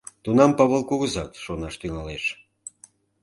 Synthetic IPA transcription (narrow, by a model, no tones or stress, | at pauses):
t̪unɑmpɑβəlˠkoɣəzɑt̪ʃonɑʃt̪yŋɑleʃ